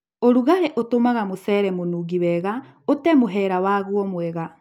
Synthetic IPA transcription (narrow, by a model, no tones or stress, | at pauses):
oɾuɣaɾɛʔotomaɣamosɛːɾɛmonuːɣiwɛːɣa | otɛmoɦɛːɾawaːɣwɔmwɛɣa